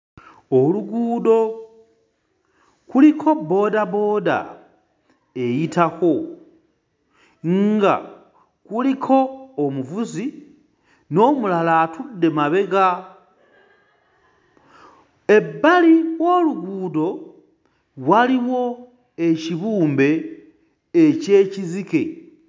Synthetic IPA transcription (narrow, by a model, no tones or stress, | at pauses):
oluɡuːdo̞ | kulikʰo̞bo̞dabo̞ːda̰ | ejitʰako̞ | ŋɡa̰ | kulikʰo̞ːmuvuzi | no̞ːmulalaːtudːe̞maβe̞ɡa | e̞bːaliwo̞luɡuːdo̞ | waliwo̞ | eciβuːmbe̞ː | ce̞ːcizike̞